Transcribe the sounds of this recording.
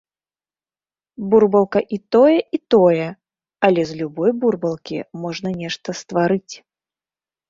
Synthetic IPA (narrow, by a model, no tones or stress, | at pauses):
burbɐlˠkɐʔit̪ɔjɛʔit̪ɔjɛ | ɐlʲɛzlʲubɔjburbɐlˠkʲḭmɔʐnɐnʲɛʂt̪ɐst̪vaɾɨt͡sʲ